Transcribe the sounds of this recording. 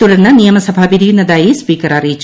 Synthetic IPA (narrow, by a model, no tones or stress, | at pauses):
ulɐnːɐnijɐmɐsɐbʱaːbiɾijunːɐd̪aːjispiːkɐɾaːɾit͡ʃː